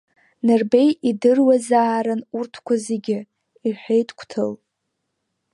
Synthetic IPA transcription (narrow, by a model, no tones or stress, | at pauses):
nɨrbejidɨrwazaːɾɨnurtʰkʷʰazeɡʲɪ | iħʷᶣejtʰkʷʰtʰɨ̰l